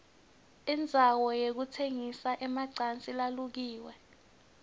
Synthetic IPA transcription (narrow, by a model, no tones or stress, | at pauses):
ind͡zʱawɔjek̬utʰeŋisaʔɛmaǀant͡sʼilaluk̬iːwɛ